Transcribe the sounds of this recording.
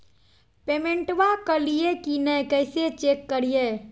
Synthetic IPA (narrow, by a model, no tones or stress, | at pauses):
pemeɳʈʋakəlijekinəjkəjset͡ʃekːəɾije